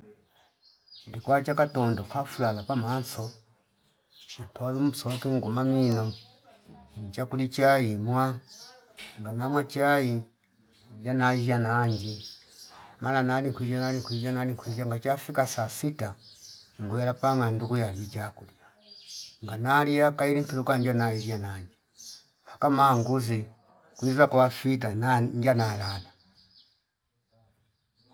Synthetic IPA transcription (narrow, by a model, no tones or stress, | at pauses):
ilikwat͡ʃakatɔndɔkafulalapamansɔ | t͡ʃitɔβimusɔkiŋɡumaminɔ | ɲt͡ʃakulit͡ʃaimwa | ŋɡanamwat͡ʃai | d͡ʒanad͡ʒanaɲd͡ʒi | mananalikwid͡ʒanalikwid͡ʒanaliŋkwid͡ʒaŋɡat͡ʃafikasasitaŋɡujalapaŋanduɡujalid͡ʒakulia | ŋɡanalijakailiŋtilukaɲd͡ʒanaid͡ʒanaɲd͡ʒi | hakamaŋɡuzi | kwizakwafitanaɲd͡ʒanalana